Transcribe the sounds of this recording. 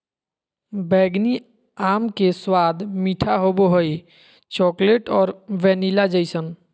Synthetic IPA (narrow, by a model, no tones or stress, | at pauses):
bɛːɡni | aːmkeswaːd̪ʱmiːʈʰaɦoboɦoj | t͡ʃɔkleʈɔːɾʋɛːnilad͡ʒəjsən